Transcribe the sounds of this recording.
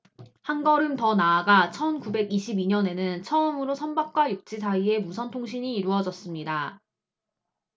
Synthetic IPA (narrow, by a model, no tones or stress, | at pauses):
hanɡʌɾɯmtʌnaːɡat͡ɕʰʌnkube̞ɡiɕʰibiɲʌne̞nɯnt͡ɕʰʌɯmɯɾosʰʌnbak̚k͈wajuk̚t͡ɕ͈is̬ʰaie̞musʰʌntʰoŋɕ̬ʰiɲiːɾuʌd͡ʑʌs͈ɯmɲida